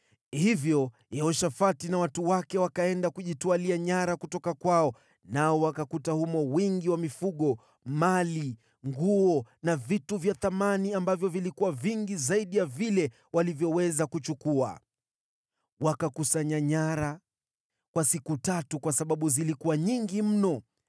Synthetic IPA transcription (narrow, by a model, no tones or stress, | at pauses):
hivjɔ | jɛɔʃafatinawatuwakɛwakaɛndakuʄitualiaɲaɾakutɔkakwaɔ | naɔwakakutahumɔwiŋɡiwamifuɠɔ | mali | ŋɡuɔnavituvjaθamaniambavjɔvilikuwaviŋɡizaiɗijavilɛ | walivjɔwɛzakut͡ʃukua̰ | wakakusaɲaɲaɾa | kwasikutatukwasaɓaɓuzilikuwaɲiŋɡim̩nɔ